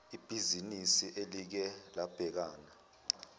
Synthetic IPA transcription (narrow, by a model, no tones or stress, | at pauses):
ib̥ʱizinisiʔelik̬ɛlab̥ʱɛk̬aːna